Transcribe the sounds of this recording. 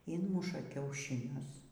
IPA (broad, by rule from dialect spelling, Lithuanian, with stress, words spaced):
ˈɪnmʊʃɐ kʲɛʊʃʲɪˈnʲʊs